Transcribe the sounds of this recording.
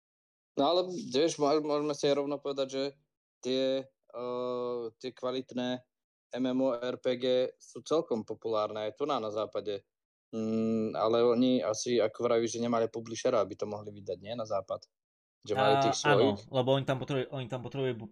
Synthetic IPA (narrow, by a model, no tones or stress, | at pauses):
nɔalɛtɛʒmʒmʊɔʒmɛsiajɾɔʊnɔpɔʋɛd̪aɟʒɛ | t̪ɪɛ | t̪ɪɛkʋalit̪nɛː | ɛmɛmɔɛɾpɛːɡɛːsuːt͡sɛlkɔmpɔpulaːɾnɛajt̪unanazaːpaɟɛ | a̰lɛɔɲia̰siakɔʋɾaʋiʒɛɲɛmalipɔbliʃɛɾaabit̪ɔmɔɦliʋid̪aɟɲɪɛnazaːpat̪ | ʒɛmmalit̪iːxsʋɔjixlɛbɔɔɲit̪ampɔt̪ɾɛbuʔɔɲit̪ampɔt̪ɾɛbuju